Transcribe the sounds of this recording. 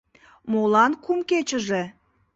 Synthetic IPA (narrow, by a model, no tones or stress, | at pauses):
molˠɑnkʰumkʲet͡ʃɪ̆ʒɘ